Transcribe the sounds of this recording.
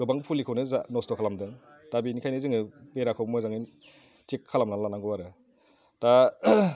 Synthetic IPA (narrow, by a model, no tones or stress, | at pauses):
ɡɯbaŋpʰulikʰɯwnɯzanɔstɔkʰalamdɯŋtabinikʰajnɯzɯŋɯbeɾakʰɯwbmɔjzaŋin | tikʰːalamnalanaŋɡɯwaɾɯ | ta